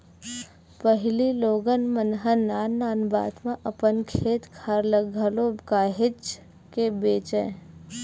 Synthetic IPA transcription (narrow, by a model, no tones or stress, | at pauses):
pəɦɪliloːɡənmənɦənaːnːaːnba̰ːt̪mãʔəpənkʰeːt̪kʰaɾləɡʱəloːbkaːɦɪt͡ʃ | kebeːt͡ʃḛ̃ː